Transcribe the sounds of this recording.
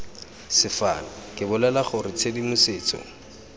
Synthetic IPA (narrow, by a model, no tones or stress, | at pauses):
sɪfa̰ːnɔkʼɪbʊlalaχʊrɪt͡sʰedimʊsɪːt͡sʼɔ̰